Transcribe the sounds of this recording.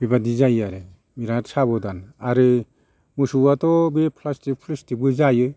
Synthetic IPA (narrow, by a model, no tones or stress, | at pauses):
bibadizajaɾe | miɾatsabɔdanaɾɯ | musuatɔbepʰlastik̚pʰlistibɯzajɯ